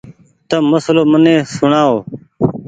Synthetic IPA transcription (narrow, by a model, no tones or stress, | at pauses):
t̪əməsloːmənẽːsʊɳaːoː